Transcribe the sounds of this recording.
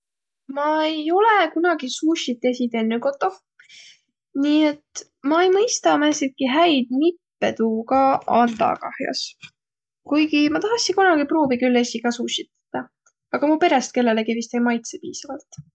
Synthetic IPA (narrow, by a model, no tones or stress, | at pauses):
mɑejo̞le̞kunɑɡ̥isuʃit̪ːˑe̞sit̪enːyko̞t̪ːˑo̞ | niːe̞t̪ | mɑe̞jmɤjst̪ɑmæsit̪̚kiɦæjd̪̥mipːe̞t̪uːkɑɑnt̪ɑ̰kɑ̰hjɑ̰s | kujɡimɑt̪ɑɦɑsːikunɑɡ̥ipro̞ːbikylːe̞sikɑsuʃit̪t̪ːɑ | ɑɡ̥ɑmupe̞ɾest̪̚ke̞lːe̞leɡivist̪ejmɑjt̪sepiːsɑvɑlt̪